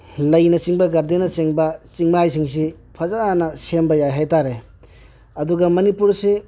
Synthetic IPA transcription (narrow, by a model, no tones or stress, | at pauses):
lɐjnɐt͡ʃiŋbɐɡɐɾdenɐt͡ʃeŋbɐt͡ʃiŋmajs̬iŋs̬i | pʰɐzanɐsembɐjajɦajtaɾe | ɐduɡɐmɐnipuɾse